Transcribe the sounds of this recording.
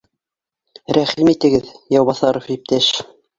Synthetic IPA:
ɾæχimit̪ɘ̆ɡɘðjɑwβɑθɑɾofip̚t̪æʃ

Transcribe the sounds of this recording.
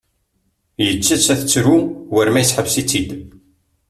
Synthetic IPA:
jət͡sːæt͡sæθət͡sːɾuwəɾmæjsħəvsit͡sːid̪

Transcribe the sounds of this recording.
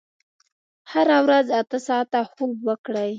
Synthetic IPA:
haɾawɾazat̪əsɑt̪axobwəkɽəj

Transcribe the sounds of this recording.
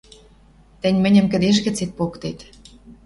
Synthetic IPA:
t̪ə̆nʲmɘ̆nʲə̆mkə̆d̪eʃ̬ɣɘ̆t͡set̪̚pokt̪et̪

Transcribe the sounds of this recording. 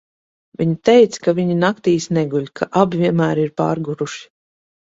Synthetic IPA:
viɲit̪ɛjt̪skaviɲinakt̪iːsnɛɡulʲkʰaʔabivʲiɛnmæːɾiɾpa̰ːɾɡuɾuʃi̥

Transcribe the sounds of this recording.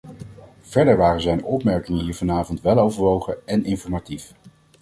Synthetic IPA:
v̥ɛɹdəɹʋaːrəzɛjndʔɔpmɛɹkɪŋənɦiːɹvɑnaːvɔntʋɛlˠowvəɹʋowχəɛnɪnfɔɹmatif

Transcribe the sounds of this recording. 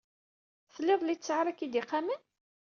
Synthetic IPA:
θəlːeðˤlit͡sːəʕɾækid̪iqamən

